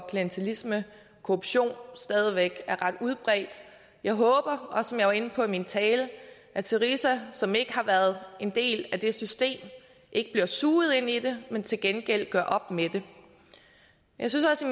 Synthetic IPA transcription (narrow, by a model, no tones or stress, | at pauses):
kʰliənt͡sʰælismə | kʰo̝ʁub̥ɕo̝̰ːnsd̥ɛːð̞ˠiʋeɡ̥æɐʁɑ̈d̥uð̞ˠb̥ʁɛ̰ːd̥ | jɑ̈ɪɦɔ̽ːb̥ɐɒ̽sɒ̽mjɑ̈ɪʋɑ̈e̝n̩pʰɒ̽imint͡sʰɛːlə | ʔæt͡sʰe̝ʁisæsɒ̽me̝ɡ̥əhɑ̈ʋæːɐð̞̩ˠʔe̝nd̥e̝̰ːlæd̥e̝sysd̥e̝̰ːm | ʔe̝ɡ̥əb̥liɐsuːð̩ˠe̝nid̥e̝ment͡sʰe̝lɡ̥enɡ̥el̰ɡ̥ɶɐ̰ʔɒ̽b̥med̥e̝ | jʔɑ̈ɪsynsɒ̽si